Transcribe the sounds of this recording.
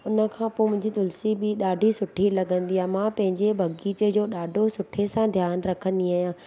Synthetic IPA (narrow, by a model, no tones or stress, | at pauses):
ʊnə̆kʰãpoːmʊ̃ɦɪ̃ɲd͡ʑit̪ʊlsibɪɗaːɖʱisʊʈʰilɐɡə̃nd̪iaːmãpɐ̃ɦɪ̃ɲd͡ʑebʱɐɡiːt͡ɕəd͡ʑoːɗaːɖʱosʊʈʰesãd̪ʱjaːnɾɐkʰə̃nd̪iaːɦijãː